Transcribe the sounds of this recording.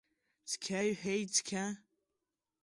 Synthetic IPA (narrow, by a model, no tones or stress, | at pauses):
t͡skʲʰaɥħʷejt͡skʲʰa